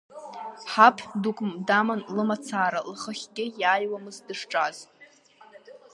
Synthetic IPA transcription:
ħapʰdukʷʼmdamɨnlɨmat͡sʰaːɾalχəχʲɡʲɪjaːjwamɨzdɨʂʈ͡ʂʼaz

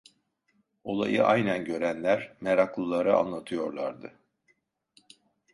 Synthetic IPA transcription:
o̞lˠa̰jɯʔa̰jnænɟø̞ɾænlʲæɾmeɾaklˠɯlˠaɾɯa̰nlˠat̪ʰɯjo̞ɾlˠaɾd̪ɯ

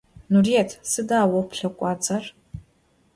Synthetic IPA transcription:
nuriɛtʰsɨdaːwɐpɬɐkʷʼɑːt͡sʼɐr

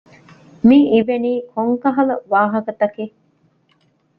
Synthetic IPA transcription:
miiʋeniːkʰoŋkɐɦɐlɐʋaːɦɐkɐt̪ɐkiː

